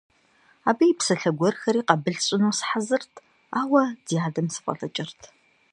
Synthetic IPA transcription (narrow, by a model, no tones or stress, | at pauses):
aːbijpsɐɬɐɡʷɔrxɐɾiːqɐbɨɮɕʼɪnuːsɨ̥ħazɨrtʰ | aːwɐd̥ijaːdɐmsɨ̥pʼɐ̰ɬʼɐt͡ʃʼɪrtʰ